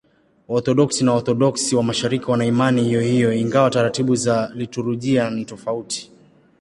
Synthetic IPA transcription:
ɔθɔɗɔksinaɔθɔɗɔksiwamaʃaɾikiwanaimanihijɔhijɔiŋɡawataɾatiɓuzalituɾuʄianitɔfauti̥

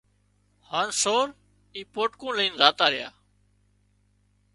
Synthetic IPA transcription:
haːnsoːɾ | iːpoːʈkõːləiːnzaːt̪aːɾɪja̰ː

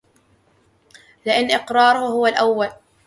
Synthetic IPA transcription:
lɪʔanːʔɪqɾˤɑːɾˤʊhhʊwalʔawːal

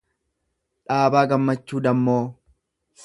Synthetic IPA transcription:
ᶑaːbaːɡɐmːɐt͡ʃːuːd̪ɐmːoː

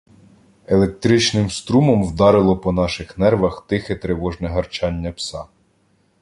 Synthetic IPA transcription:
elˠek̚t̪ɾɪt͡ʃnɪmst̪ɾumɔmwd̪ɑɾɪlˠɔpɔnɑʃɪxnɛrʋɐxt̪ɪxɛt̪ɾeʋɔʒnɛɦɐrt͡ʃɑnʲːɐpsɑ

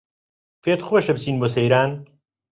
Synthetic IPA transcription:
feːt̪xwoʃɐbt͡sʰiːnboːsɐjɾaːn

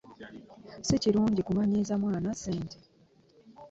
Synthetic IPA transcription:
siciɾuːɲɟikumaɲiːzamwaːnaseːntʰe

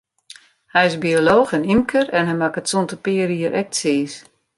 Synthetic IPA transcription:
hɛjɪsbioloːxɛnimkʰərɛnɦɛjmakətsɔntəpɪəɾiəɾʔɛk̚tseːs

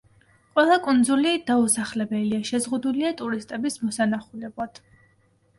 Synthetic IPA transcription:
qʼwɛlˠakʼund̪zulid̪̥ausaχlɛbɛliaʃɛzʁud̪uliat̪ʼuɾist̪ʼɛbismɔsanaχulɛblˠad̪̥

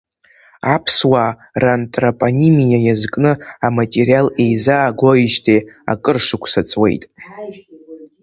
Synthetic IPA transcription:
apʰswa | rantʼropʼonimijajazkʼnɨamatʼeɾijale̞jzaːɡʷoiʃtʰea̰kʼɨrʂɨkʷʰsat͡sʼwe̞̰jtʼ

